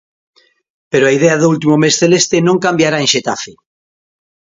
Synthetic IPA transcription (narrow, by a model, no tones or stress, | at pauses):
peɾoaið̞eaðoult̪̬imomesθelest̪enõŋkambjaɾaenʃet̪afe